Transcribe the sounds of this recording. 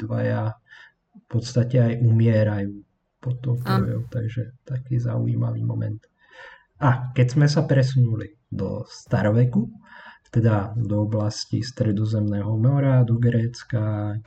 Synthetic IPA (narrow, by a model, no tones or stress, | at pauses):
ʋaja | fpɔt̪st̪acɛajʔumɪɛɾajuː | pɔt̪ɔʊt̪ɾɔjɔʊt̪aɡʒɛt̪akiːzaṵiːma̰ʋḭːmɔmɛ̰nt̪ | akɛɟzmɛsapɾɛsunuli | d̪ɔ̰st̪aɾɔʋɛkut̪ɛd̪ad̪ɔɔblascḭst̪ɾɛd̪ɔzɛmnɛːɦɔmɔɾad̪ɔɡɾɛːt͡ska